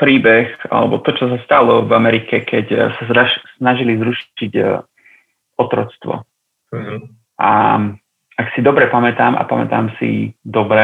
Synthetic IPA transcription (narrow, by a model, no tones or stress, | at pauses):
pɾiːbɛxa̰lɛ̰bɔt̪ɔt͡ʃɔs̬ast̪alɔvamɛɾikɛkʰɛcsasasnaʒilizɾuʃiɟ | ɔt̪ɾɔt͡st̪ʋɔ̰ | ʔa̰ | aksid̪ɔbɾɛpamɛt̪aːmʔa̰pamɛ̰t̪aːmsḭd̪ɔbɾɛ